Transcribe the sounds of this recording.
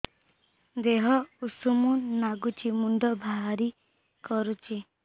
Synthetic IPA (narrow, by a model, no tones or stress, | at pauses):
d̪eɦɔusumunːaɡut͡ʃʰimuɳɖɔbʱaɦaɾi | kɔɾut͡ʃʰi